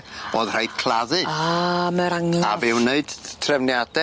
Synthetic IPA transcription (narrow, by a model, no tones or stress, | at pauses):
b̥oːð̥r̥ajd̥kʰlˠaðɨaməɾaŋlavɪwneɨd̥tʰrɛvnjadɛ